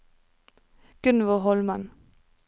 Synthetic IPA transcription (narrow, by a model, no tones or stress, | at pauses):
ɡ̥ʉnʋəʁhɔlmɑn